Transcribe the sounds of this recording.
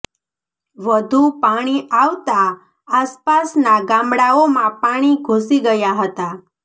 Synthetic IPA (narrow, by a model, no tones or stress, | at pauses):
ʋəd̪ʱupaɽ̃iaʋt̪a | aspasnaɡãmɽaomãpaɽ̃iɡʱusiɡəjaɦət̪a